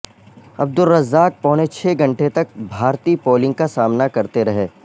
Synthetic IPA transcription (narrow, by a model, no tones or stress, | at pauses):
ɐb̚d̪ʊɾːɐzːaːk̚pɔːnet͡ʃʰeːɡɐ̃ɳʈet̪ɐk̚bʱaːɾt̪iːpoːlɪ̃ŋɡ̚kasaːmnakɐɾt̪eɾɐɦeː